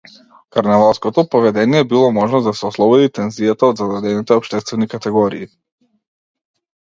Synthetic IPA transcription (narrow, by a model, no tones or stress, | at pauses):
kaɾnɛvalˠskɔt̪ɔpɔvɛd̪ɛnijɛbilˠɔmɔʒnɔzd̪asɛɔslˠɔbɔd̪it̪ɛnziat̪aɔd̪zad̪ad̪ɛnit̪ɛɔpʃt̪ɛst̪vɛnikat̪ɛɡɔɾiː